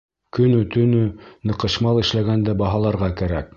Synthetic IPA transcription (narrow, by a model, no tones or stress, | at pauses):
kɵ̆nɵt̪ɵ̆nɵnɤ̆qɤ̆ʃmɑlˠɘ̆ʃlæɡænd̪æbɑɦɑlˠɑɾʁɑkæɾæ̰k̚